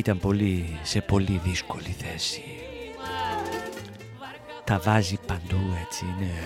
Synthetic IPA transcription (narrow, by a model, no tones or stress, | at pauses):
it̪ɐmpo̞lisepo̞liðiskoliθesi̥ | t̪ɐvazipɐnd̪uet͡siine